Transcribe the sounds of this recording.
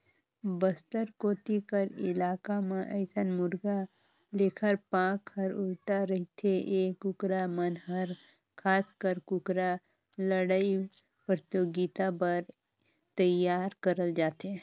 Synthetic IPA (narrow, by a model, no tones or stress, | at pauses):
bəst̪əɾkoːt̪ikəɾɪ̰laːkamẽʔɛːsənmʊɾɡa | leːkʰəɾpãːkhəɾʊlʈaɾɐɦit̪ʰeʔeːkːʊkɾamənɦəɾ | kʰaːskəɾkʊkɾa | ləɽai | pɾt̪oːɡit̪apəɾ | t̪əjaːɾkəɾəld͡ʒaːt̪e